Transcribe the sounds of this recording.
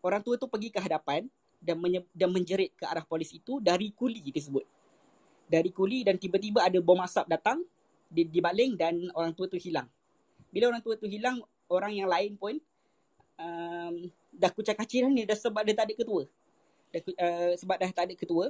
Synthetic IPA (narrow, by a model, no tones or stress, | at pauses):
oɾaŋt̪uət̪upəɡikəɦadapan | daəədanmə̃ɲd͡ʒəɾɪt̪̚kəa̰ɾahpolisit̪udaɾikulit̪əs̬əbʊt̪̚ | daɾikulidant̪ibat̪̬ibaadəbɔmasap̚dat̪aŋ | dibalɪŋdanoɾaŋt̪uət̪uhilaŋ | bilaoɾaŋt̪uət̪uɦilaŋ | oɾaŋjaŋlaɪnpʊn | əm | dahkut͡ʃakat͡ʃɪɾanidahsəbap̚dat̪adəʔkːət̪uə | dakuəsəbap̚dat̪adəʔkət̪uə